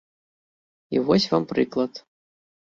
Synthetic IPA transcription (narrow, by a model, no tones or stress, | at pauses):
ivɔsʲvampɾɨklˠɐt̪